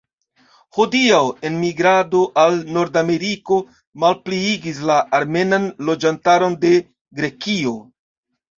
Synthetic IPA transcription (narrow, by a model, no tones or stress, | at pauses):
hodiawe̞nmiɡɾado̞ʔalno̞ɾdame̞ɾiko̞ | malpliiɡis̬laʔːɾme̞nanlo̞d͡ʒantaɾo̞nde̞ | ɡɾe̞kio̞